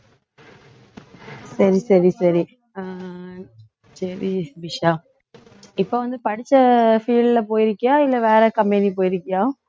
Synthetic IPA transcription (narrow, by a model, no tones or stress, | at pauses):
sɐɾisɐɾisɐɾi | sɐɾiʋɪʂaː | ɪpːoːʋɐnd̪ɯpɐɽɪt͡ʃːɐfiːɖlɐpoːjɪɾɯkːɐjaːɪlːɛʋeːɾɛkɐmbɛnip̬oːjɪɾɯkːɐjaː